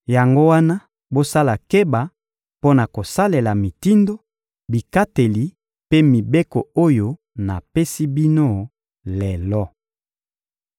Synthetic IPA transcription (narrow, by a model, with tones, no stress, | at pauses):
ja˨ŋɡo˦wa˦na˦ | bo˦sa˦la˨ke˦ba˨ | po˦na˨ko˨sa˦le˨la˨mi˨ti˦ndo˦ | bi˨ka˦te˨li˨ | pe˦mi˨be˦ko˨o˦jo˦ | na˨pe˦si˦bi˦no˦ | lɛ˨lɔ˦